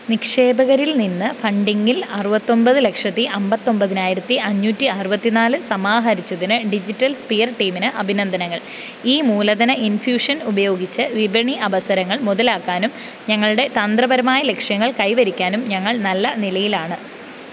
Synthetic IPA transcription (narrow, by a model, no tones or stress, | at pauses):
nikʂe̞ːbɐɣɐɾilninːɨfɐɳɖiŋːilɐrubɐt̪ːo̞mbɐðɨle̞kʂɐt̪ːiʔɐmbɐt̪ːo̞mbɐðinaːjiɾɐt̪ːiʔɐɲːuːtːiɐrubɐt̪ːinaːlɨsɐmaːɦɐɾit͡ɕːɐðinɨɖid͡ʑitːɐlspijɐrʈiːminɨʔɐbʱinɐnd̪ʱɐnɐŋːɐɭ | iːmuːlɐðɐnɐinfjuːʂɐnubɐjo̞ːɡit͡ɕːɨʋibɐɳiɐʋɐsɐɾɐŋːɐɭmuðɐlaːkːaːnum | ɲɐŋːɐɭuɽe̞t̪ɐnd̪rɐbɐɾɐmaːjɐle̞kʂjɐŋːɐɭkɐjʋɐɾikʲːaːnumɲɐŋːɐɭnɐlːɐnilɐjilaːɳɨ